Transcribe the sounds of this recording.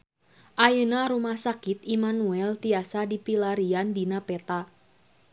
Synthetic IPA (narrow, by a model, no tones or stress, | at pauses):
ʔajənaɾumahsakit̪imanuɛlt̪iasadipilaɾiandinapɛt̪a